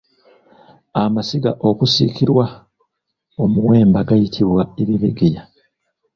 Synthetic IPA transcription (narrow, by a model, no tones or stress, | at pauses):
amasiɡaʔo̞kusḭkiɾwa | o̞muwe̞ːmbaɡajitʰiβwaeβiβiɡija